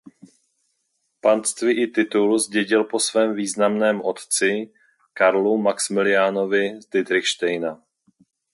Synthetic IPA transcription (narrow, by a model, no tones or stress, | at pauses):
pant̪st̪vɪʔɪt̪ɪt̪ulzɟɛɟɪlposvɛːmviːznamnɛːmʔo̞t̪t͡sɪ | kaɾlumaksmɪlɪjaːno̞vɪzd̪ɪd̪ɾɪxʃt̪ɛjna